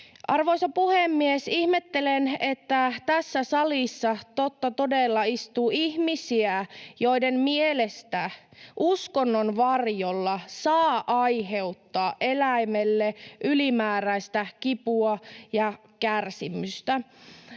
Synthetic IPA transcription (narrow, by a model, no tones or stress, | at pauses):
ʔɑ̰rʋoisɑpuhemːiesihmet̪ːelenet̪ːæt̪æsːæsɑlisːɑt̪ot̪ːɑt̪odelːɑist̪uːihmisiæjo̞idemmielest̪æʔuskonːonʋɑrjolːɑsɑːʔɑjɦe̞ut̪ːɑːʔe̞læimelːeʔylimæːɾæist̪ækipuɑjɑ | kærsimyst̪æ